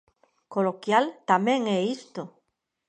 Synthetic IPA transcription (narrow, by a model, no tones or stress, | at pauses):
kolokjalt̪amẽŋɛist̪o